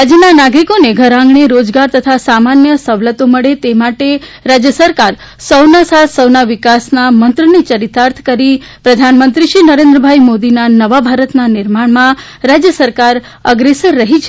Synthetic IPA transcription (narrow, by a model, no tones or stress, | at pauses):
ad͡ʒənanaɡɾikoneɡʱəɾãŋɡɳ̃eɾod͡ʒɡaɾt̪ət̪ʰasamanjəsəʋlət̪oməɭet̪emaʈeɾad͡ʒjəsəɾkaɾ | səwnasat̪ʰsəwnaʋɪkasnamənt̪ɾənit͡ʃəɾit̪aɾt̪ʰkəɾi | pɾəd̪ʱanmənt̪ɾiʃinəɾẽnd̪ɾəbʱaimod̪inanəʋabʱaɾət̪nanɪɾmaɽ̃mã | ɾad͡ʒjəsəɾkaɾ | əɡɾesəɾːəɦit͡ʃʰ